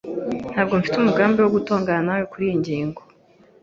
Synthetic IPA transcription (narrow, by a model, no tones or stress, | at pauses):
n̥haːbɡo̞ɱfitumuɡaːmbiwo̞ɡutoːŋɡananawekuɾijiɲɟiːŋɡo